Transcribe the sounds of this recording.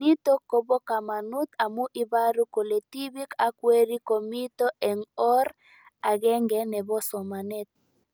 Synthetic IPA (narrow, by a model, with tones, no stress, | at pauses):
i˦t̪o˦ko˨bo˦ka˨ma˨nu˦t̪a˨mu˦ʔi˦ba˦ɾu˦ko˨le˨t̪i˦bi˦ka˨kwe˦ɾi˦ko˨mi˦t̪o˦ʔɛ˨ŋɔ˦ɾ | a˨ɡɛ˦ŋɡɛ˨˦nɛ˨bɔ˦sɔ˨ma˨nɛ˦t̪̚